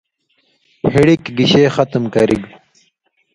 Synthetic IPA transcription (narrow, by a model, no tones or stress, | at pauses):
hiɽikɡiɕeːxɐt̪mkɐɾiɡ